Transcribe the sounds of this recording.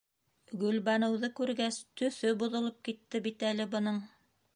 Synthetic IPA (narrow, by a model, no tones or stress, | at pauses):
ɡɵ̆lβɑnɤ̆wðɤkʉɾɡæst̪ɵ̆θɵbuðŏlˠɤp̚kit̪ːɘbit̪ælɘbɤ̆nɤɴ